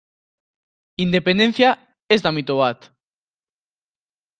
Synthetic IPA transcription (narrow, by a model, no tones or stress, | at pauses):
ind̪epend̪en̟θja | ezd̪amit̪oβat̪